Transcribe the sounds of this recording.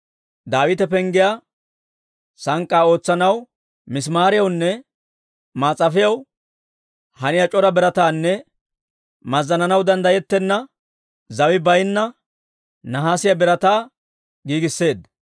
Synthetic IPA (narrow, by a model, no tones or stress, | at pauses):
d̪aːwɪt̪ɛpɛŋɡɪja | sɐŋkʼːaːo̞ːt͡sːɐnɐw | mɪs̬maːɾɪjɐwnːɛ | maːt͡sʼːɐfɪjɐw | hɐnɪjɐt͡ʃʼɔɾɐbɛɾɐt̪aːnːɛ | mɐzːɐnɐnɐwd̪ɐnd̪ɐjɛt̪ːɛnːɐ | zɐwɪbɐjnːɐ | nɐɦaːsɪjɐbɛɾɐt̪aː | ɡiːɡɪsːe̞ːd̪